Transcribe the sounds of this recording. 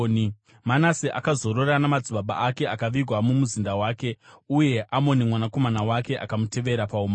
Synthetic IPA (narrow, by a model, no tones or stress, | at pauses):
manasiʔa̰kazo̞ɾoranamad͡ziɓaɓa̰ʔake̞akaʋiɡʱwamumuzindawaːke̞uje̞ʔamo̞nimwanako̞manawake̞ʔa̰kamute̞ʋe̞ɾapauma